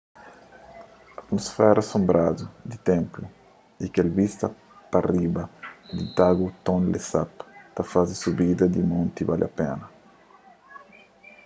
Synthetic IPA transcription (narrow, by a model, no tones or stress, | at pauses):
ɐt̪mosfɛɾɐasõmbɾad̪ud̪it̪ẽmplu | ikelbist̪ɐ | pɐribɐd̪it̪aɡut̪õnlesapt̪ɐfazisubid̪ɐd̪imõnt̪ibalʔɐ̰pɛ̰nɐ